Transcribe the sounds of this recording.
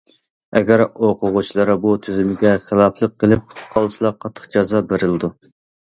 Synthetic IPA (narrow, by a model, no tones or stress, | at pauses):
ɛɡʲɛɾoqʰʊʁut͡ʃlˠɑɾbut̪ʰyzymɪɡʲɛχəlˠɑpʰlˠəqʰːəlˠɪp̚qʰɑlˠsɨlˠɑqʰɑt̪ʰːə̥χd͡ʒɑzɑbeɾɪlɨd̪u